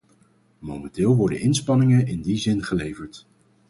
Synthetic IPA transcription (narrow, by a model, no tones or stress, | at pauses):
mowmɛntɪːlˠʋɔɹdə̰nʔɪnspɑnɪŋənɪndizɪnχəlejvəɹt